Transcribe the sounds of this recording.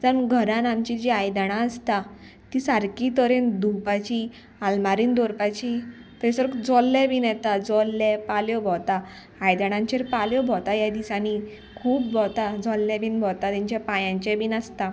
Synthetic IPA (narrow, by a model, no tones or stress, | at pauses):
d͡zənɡʱəɾãnamt͡ɕid͡ʑiajd̪aɽ̃ãəst̪a | t̪isaɾkit̪əɾend̪upat͡ɕi | almaɾiːnd̪ɔɾpat͡ɕit̪əsəɾkd͡zɔlːɛ̃binjɛt̪ad͡zɔlːɛpaljɔbʱɔt̪aː | jd̪əɽ̃ãɲt͡ɕeɾpaljɔbʱɔt̪ajad̪isani | kʰuːp̚bɔt̪ad͡zɔlːɛbʱinbʱɔt̪at̪iɲt͡ɕɛpajãɲt͡ɕɛbinast̪a